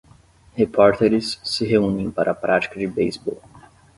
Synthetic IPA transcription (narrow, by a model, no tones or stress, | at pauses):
hepɔɾt̪eɾɪsːɪɦeũnẽj̃paɾʔɐpɾʔat͡ʃi̥kɐd͡ʒɪbejzbɔ̰w